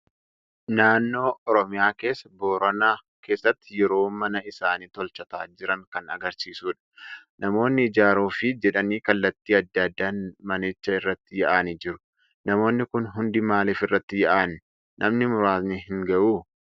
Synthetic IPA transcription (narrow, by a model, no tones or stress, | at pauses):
naːnːo̞ːʔɔɾɔmɪjaːke̞ːsːɐbo̞ːɾɐnaː | ke̞ːsːɐt̪ːɪjɛɾo̞ːmɐnɐɪsaːniːt̪ɔlt͡ʃɐt̪a̰ːd͡ʒɪɾɐŋkɐnɐ̰ɡɐɾsiːsuːᶑɐ̥nɐmo̞ːnːɪːd͡ʒaːɾuːfɪd͡ʒɛᶑɐniːkɐlːɐt̪ːiːɐd̪ːɐd̪ːanmɐnɪt͡ʃːɐɪrːɐt̪ːɪjɐʔaːnɪd͡ʒɪɾʊ̥ | nɐmo̞ːnːɪkʊnɦʊnd̪imaːleːfɪrːɐt̪ːɪjɛʔaːn | nʔɐmnɪmʊɾaːt̪nɪɦɪŋɡɐʔuː